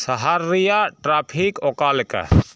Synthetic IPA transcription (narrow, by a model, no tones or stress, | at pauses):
səɦaɾːijaʈɾaːpʰikokaːlkə̰